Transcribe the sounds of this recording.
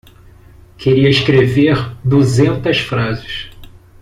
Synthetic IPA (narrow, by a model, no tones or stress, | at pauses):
kʰeɾiɐiskɾeveɾd̪uzẽnt̪ɐsfɾazɪs